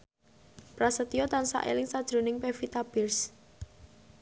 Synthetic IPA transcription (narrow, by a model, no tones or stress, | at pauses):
pɾasət̪iot̪ansa̰ʔḛlɪŋsad̥ʒ̥ɾṳnɪŋpefit̪ab̥ɪrs